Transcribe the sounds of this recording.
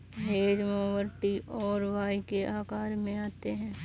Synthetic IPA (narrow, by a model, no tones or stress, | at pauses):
ɦeːd͡ʒmoːʋəɾʈiʔɔːɾʋaːikeʔaːkaːɾmẽaːt̪eɦɛ̃ː